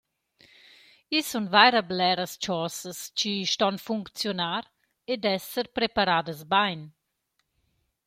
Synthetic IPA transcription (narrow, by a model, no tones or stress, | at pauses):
isunvajɾəblɛɾəst͡ʃɔsəst͡ʃiʃtɔnfuŋkt͡sjonaːɾ | ed̪ɛsəɾpɾepaɾaːd̪əsbajn